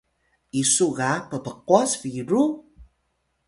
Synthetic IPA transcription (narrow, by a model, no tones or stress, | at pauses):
ʔisuɣapəpəquasfiɾu